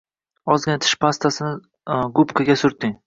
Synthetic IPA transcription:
ɒzɡʲanɪt̪ʰɪ̥ʃpast̪ʰasɪnɪ | ɡʊpkʰaɡʲasʊɾt̪ɪŋ

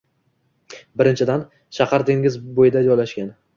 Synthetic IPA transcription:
bɪɾɪnt͡ʃʰɪd̪an | ʃaqɑɾd̪eŋʲɪzbojɪd̪ad͡ʒɒjlaʃkʲan

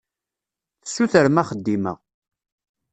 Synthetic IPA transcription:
θə̥sːuθəɾmæχəd̪ːimə̰ʁ

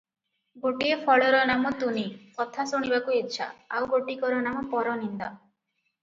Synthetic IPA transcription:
ɡoʈiepʰɔɭɔɾɔnamɔt̪unikɔt̪ʰasuɽ̃ibakuitːʃʰa̰awɡoʈikɔɾɔnamɔpɔɾɔnind̪ɔ

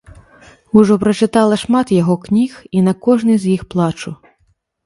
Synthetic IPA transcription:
uʐɔpɾɐt͡ʃɪt̪ɑlˠɐʃmɑt̪jɐɦɔknʲixinɐkɔʒnɪzʲjixplˠɑt͡ʃʊ

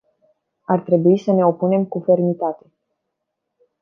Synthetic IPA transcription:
art̪ɾe̞buisəne̞o̞pune̞mkufe̞rmit̪at̪e̞

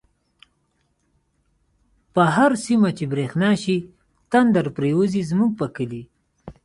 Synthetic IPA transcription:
pəɦaɾsimat͡ʃebɾexnɑʃi | t̪and̪aɾpɾewuzizmuɡ̚pəkəli

